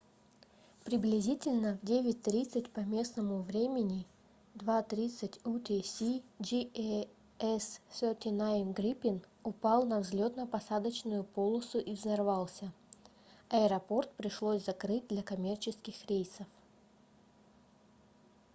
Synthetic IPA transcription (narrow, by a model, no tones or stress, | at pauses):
pɾʲɪblʲɪzʲitʲɪlʲnəvdʲevʲɪt̚ʲt̪ɾʲit̪sɨtʲpɐmʲe̞snəmʊvɾʲemʲɪnʲɪ | d̪vat̪ɾʲit̪sɨtʲut̪ʲesʲid͡ʒi | ɛssʲotʲɪnaɪmɡɾʲipʲɪnʊpɑlˠnɐvzʲlʲo̞t̪nəpɐsad̪ət͡ɕnʊjʊpo̞lˠəsʊʔivzɐrvɑlˠsʲə | ɐɪɾɐpo̞rt̪pɾʲɪʂlˠosʲzɐkɾɨt̚ʲd̪lʲɐkɐmʲe̞rt͡ɕɪskʲɪxɾʲejsəf